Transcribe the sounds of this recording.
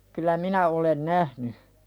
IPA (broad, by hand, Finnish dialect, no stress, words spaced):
kylæ minæ olen næhny